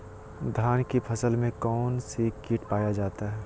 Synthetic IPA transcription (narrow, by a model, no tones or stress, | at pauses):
d̪ʱaːnkepʰɐsəlmẽkɔːnsekiːʈpaːjad͡ʒaːt̪aɦɛː